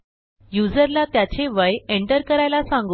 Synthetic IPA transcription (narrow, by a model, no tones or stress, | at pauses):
jud͡zəɾlat̪jat͡ɕeʋəjeɳʈəɾkəɾajlasãŋɡ